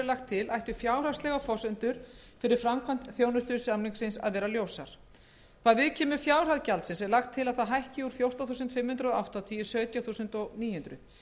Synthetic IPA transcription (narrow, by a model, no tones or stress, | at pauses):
laxt̪ʰːɪlʔajht̪ʏfjaːwr̥ast̪lɛɣafɔsʏnt̪ʏɾ̥ | fɪɾɪɾ̥fɾamkʰvant̪θjoːwnʏst̪ʏɾsamliŋksɪnsa̰ðvɛːɾaljoːwsa̰ɾ̥ | kʰvaðvɪðcʰɛːmʏfjaːwr̥aðcalt̪sɪnsɛɾlaxt̪ʰːɪlaðθaɦajhcɪuɾ̥fjowr̥t̪aθuːsʏnt̪fɪmhʏnt̪ɾʏɔa̰wht̪awt̪ʰiːjʏsœːt̪jaθuːsʏnt̪ɔɣniːjhʏnt̪ɾʏð